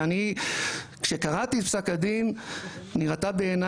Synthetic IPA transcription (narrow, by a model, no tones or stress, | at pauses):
ani | kʃekaʁat̪iet̪psakad̪inniʁat̪abe̞ːna